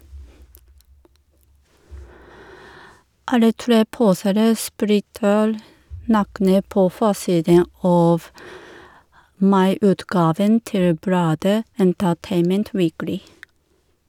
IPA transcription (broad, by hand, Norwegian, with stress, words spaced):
ˈɑlə ˈtɾeː ˈpuːseːɾə ˈsplɪtəɾ ˈnɑːknə ˈpoː ˈfoːˌsiːdən ˈɑːf ˈmɑɪˌʉːtˌɡɑːʋən ˈtɪl ˈblɑːdə ɛntəˈteɪmənt ˈʋiːklɪ